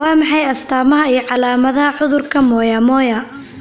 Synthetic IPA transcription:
ɑːmɑħɑjɐst̪ʰaːmɐɦɐijɞʕɑlaːmɐðɐɦɐħʊðʊrkʰɐmɔːjɐmɔːjɐ

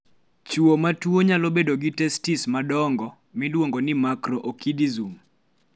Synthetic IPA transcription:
t͡ʃuomatwoɲalobedoɡitɛstismadɔŋɡɔ | mɪlwoŋɡonɪmakɾɔʔokidizum

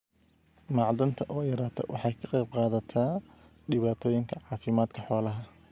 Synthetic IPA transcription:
mɑʕd̪ɐnt̪ʰɐʔɔːjɐɾaːt̪ʰɔ̰wɑħɑːjkʰɐqɛjbqɑːðɐt̪ʰaː | ɖɪβaːt̪ʰɔːjɪŋkʰɐʕɑːfɪmaːd̪kʰɐħɔːlɐɦɐ

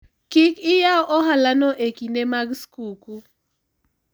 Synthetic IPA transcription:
kɪkɪjaʔɔɦalanɔʔekinemaɡskuku

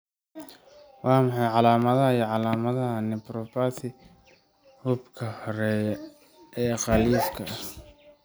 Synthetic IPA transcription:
wɑːmɑħɑjʕɑlaːmɐðɐɦɐijɐʕɑlaːmɐðɐɦɐnɪpɾɔpasɪ | hʊbkʰɐhɔɾɛːj | ʔɛːqɑliːfkʰɐ

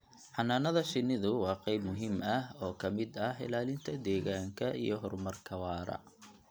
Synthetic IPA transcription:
ʕɑnːaːnɐðɐʃɪnːɪðʊwɑːqɛjbmʊɦɪmɐɦɔːkʰɐmɪd̪ɐhɪ̰laːlɪnt̪ʰɐd̪ɛːɣaːŋkʰɐḭjɞɦɔrmɐrkʰɐwɑːɾɐ̰

